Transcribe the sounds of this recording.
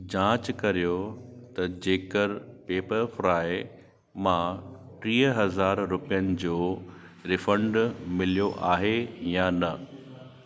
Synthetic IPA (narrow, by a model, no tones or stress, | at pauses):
d͡ʑãːt͡ɕkɐɾijot̪ɐd͡ʑeːkəɾpeːpəɾfɾaːɪ | mã | ʈɾiːɦəɦɐzaːɾːʊpijənɪ̆d͡ʑoː | ɾɪfə̃ɳɖmɪlijoʔaːɦejanɐ